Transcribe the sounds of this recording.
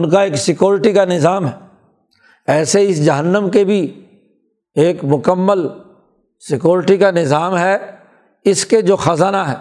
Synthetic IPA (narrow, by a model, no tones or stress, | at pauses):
nkaeːksɪkjuːɾɪʈikanɪzaːmɦɛː | ɛːseɪsd͡ʒɐɦənːəmkebʱi | eːkmʊkəmːəl | sɪkjuːɾɪʈikanɪzaːmɦɛ | ɪsked͡ʒoːxɐzaːnaɦɛː